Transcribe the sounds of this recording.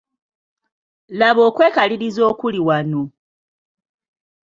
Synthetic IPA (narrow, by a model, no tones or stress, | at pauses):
laβo̞ːkwe̞ːkaliɾizo̞ːkuliwano